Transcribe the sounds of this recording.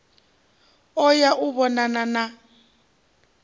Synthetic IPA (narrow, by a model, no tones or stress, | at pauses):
ɔjaʔuβɔnanana